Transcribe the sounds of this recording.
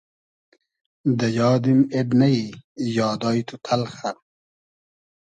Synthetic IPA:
d̪ɐjɑːd̪imeɖnɐijɑːd̪ɑːjt̪ʰut̪ʰɐlxa

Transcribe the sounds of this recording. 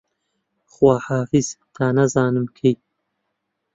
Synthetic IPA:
χwaːħaːfiz̥t̪ʰaːnɐzaːnɨmkʰej

